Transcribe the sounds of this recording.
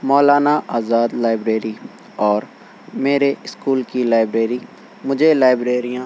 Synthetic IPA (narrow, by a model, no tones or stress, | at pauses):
mɔːlaːnaːʔaːzaːd̪laːɪbɾeːɾiː | ɔːɾ | meːɾeɪskuːlkilaːɪbɾeːɾiː | mʊd͡ʒʱelaːɪbɾeːɾijãː